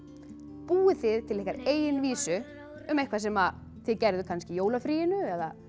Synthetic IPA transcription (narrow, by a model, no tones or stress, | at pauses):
puːɪθɪðt̪ʰɪlɛhkːaɾeːjɪnviːsʏ | ʏmehkʰvḁsɛma | θɪðcɛɾðʏkʰanscɪjoːwlafɾiːjɪnʏɛða